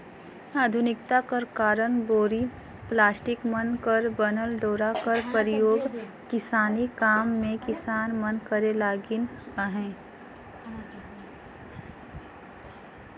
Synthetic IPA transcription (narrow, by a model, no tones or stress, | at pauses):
aːd̪ʱʊnɪkt̪akəɾkaːɾənboːɾi | plaːsʈɪkmənkəɾbənəlɖoːɾakəɾpəɾɪjoːɡ | kɪsaːnikaːmːẽkɪsaːnmənkəɾelaːɡɪnaɦɛ̃ː